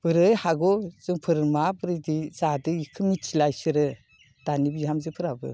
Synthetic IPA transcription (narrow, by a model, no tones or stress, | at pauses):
b̥ɯɾɯjhaɡɔzɯŋpʰɯɾmabɯɾɯdizadɯikʰɯmitʰilajsɯɾɯ | d̥anibijɦamzɯpʰɯɾabɯ̰